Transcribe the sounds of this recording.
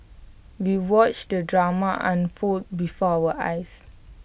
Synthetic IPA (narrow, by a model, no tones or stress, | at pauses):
wiwɔt͡ʃdədɹamaʔã̰nfot̚bifɔawəʔa̰js